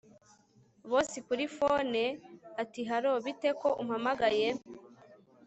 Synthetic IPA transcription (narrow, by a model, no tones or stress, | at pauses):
βoːsikuɾifoneatiɦaɾo̞βite̞ko̞ʔum̩hamaɡaje̞